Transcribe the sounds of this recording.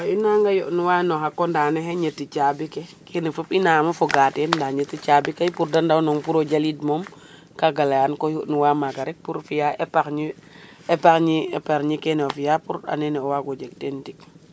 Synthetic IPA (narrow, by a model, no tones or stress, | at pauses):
wainaŋɡajɔʔnuwanɔxakːɔndaneɦeɲetːit͡ʃabikekʰenefupinaːmafoɡatendaɲətːit͡ʃabikajpuɾdandawnɔŋpuɾoɟalidmom | kaɡalajankojuʔnuwamaɡaɾɛk̚puɾfijaepakɲi | epakɲiepaɾɲikenofijapuɾa̰nenɛɔwaɡɔd͡ʒek̚tentik